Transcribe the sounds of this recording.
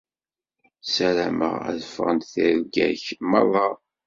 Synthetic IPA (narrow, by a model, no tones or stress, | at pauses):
sælæmə̰ʁæ̰ðəfʁənt̪θiɾɡæçmɑðˤːɑ